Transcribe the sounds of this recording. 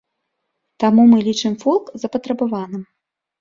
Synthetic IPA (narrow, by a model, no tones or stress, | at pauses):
t̪amumɨlʲit͡ʂɨmfɔlˠkzɐpɐt̪ɾɐbavanɨm